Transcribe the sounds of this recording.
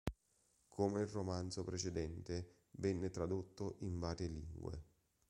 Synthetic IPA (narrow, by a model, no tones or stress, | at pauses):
kʰomeilromansopɾet͡ʃed̪ɛnt̪e | vɛnːɪt̪ɾad̪ot̪ːoʔiɱvaːɾjelḭŋɡwḛ